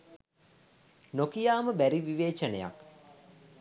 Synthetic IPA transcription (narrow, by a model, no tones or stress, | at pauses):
nokijaːməbæɾiʋiʋeːt͡ʃənəja̰k